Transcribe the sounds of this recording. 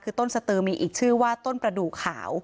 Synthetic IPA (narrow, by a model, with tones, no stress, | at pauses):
kʰɯː˧t̪o˥˩nsa˧t̪ɯː˧miː˧ʔiː˨˩k̚t͡ɕʰɯː˥˩waː˥˩t̪o˥˩npɾa˧duː˨˩kʰːa̰ː˩˦w